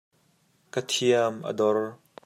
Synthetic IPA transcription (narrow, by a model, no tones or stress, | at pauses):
kət̪ʰiɐmʔə̰dɔr